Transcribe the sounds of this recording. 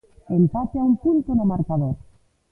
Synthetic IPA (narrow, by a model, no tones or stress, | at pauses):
empaθeaumpunt̪onomaɾkaðoɾ